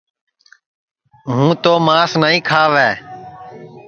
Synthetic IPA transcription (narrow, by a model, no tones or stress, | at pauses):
ɦũːt̪oːmaːsnəːĩːkʰaːʋɛː